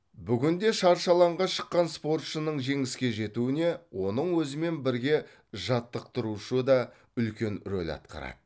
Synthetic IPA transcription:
bʏɡʲɪnd̪e̞ʃɑɾʃɑlˠɑɴʁɑʃə̥qːɑnspo̞rt̪ʃənəɴʒe̞ŋɪskʲe̞ʒe̞t̪uɪne̞wʔo̞nəɴwɵzɪme̞nbɪɾɡʲe̞ | ʒɑt̪ːəq̚t̪əɾuʃəd̪ɑ | ʏlkʲe̞nɾo̰lʲɑ̰t̪̚qʰɑ̰ɾɑ̰d̪ə

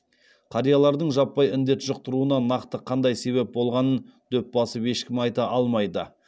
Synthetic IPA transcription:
qʰɑɾijɑlˠɑɾd̪əɴʒɑpːɑjɪnd̪e̞t̪ʒəq̚t̪əɾuənɑnɑqt̪əqʰɑnd̪ɑjse̞βe̞p̚bo̞lˠʁɑnənd̪̥ɵp̚bɑsəpe̞ʃkʲɪmɑjt̪ɑʔɑlˠmɑjd̪ə

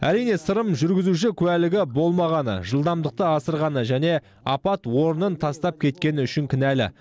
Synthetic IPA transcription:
æ̰ɾijne̞səɾəmʒʏɾɡʲɪzuʃ̬ɪkʲʰʉælɪɡʲɪbo̞lˠmɑʁɑnə̰ʒəlˠd̪ɑmd̪əq̚t̪əɑsəɾʁɑnəʒæne̞ | ɑpɑt̪wo̞ɾənənt̪ʰɑst̪ɑp̚kʲʰe̞t̪̚kʲe̞nɪʏʃɪŋkʲʰɪnælɪ̰

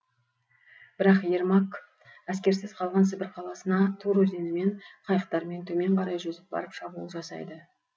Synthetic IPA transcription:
b̥ɪɾɑqje̞ɾmak | æs̬kʲe̞ɾsɪz̥qʰɑlˠʁɑns̬ɪbɪɾqʰɑlˠɑsənɑt̪ʰoɾɵzenɪme̞ɴqʰɑjəq̚t̪ɑɾme̞nt̪ʰɵme̞ɴqʰɑɾɑjʒɵzɪp̚bɑ̰ɾəpʃɑbulˠəʒɑsɑ̰jd̪ə

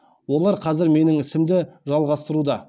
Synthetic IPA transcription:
wo̞lˠɑɾqʰɑzɪɾme̞nɪŋɪsɪmd̪ɪʒɑlˠʁɑst̪əɾud̪ɑ

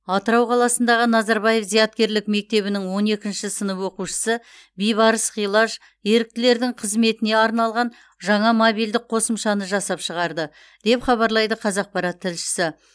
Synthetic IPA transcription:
ɑt̪əɾɑwqʰɑlˠɑsənd̪ɑʁənɑzɑɾbɑje̞fzijɑt̪̚kʲe̞ɾlɪkme̞k̚t̪e̞βɪnɪŋwo̞ne̞kʲɪnʃɪsənəpwo̞quʃə̥sə | bijβɑɾəsχijlˠɑʒ | je̞ɾɪk̚t̪ɪle̞ɾd̪ɪŋqʰəzme̞t̪ɪne̞ɑɾnɑlˠʁɑn | ʒɑɴɑmobijld̪ɪk̚qʰo̞səmʃɑnəʒɑsɑpʃəʁɑɾd̪ə | d̪̥e̞pχɑβɑɾlˠɑjd̪əqʰɑzɑq̚pɑɾɑt̪ʰːɪlʃɪ̥sɪ

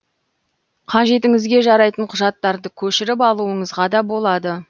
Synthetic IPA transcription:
qʰɑʒe̞t̪ɪŋɪzɡʲe̞ʒɑɾɑjt̪əɴqʰʊʒɑt̪ːɑɾd̪əkʲʰɵʃɪɾɪpɑlˠuəɴəzʁɑd̪ɑbo̞lˠɑd̪ə

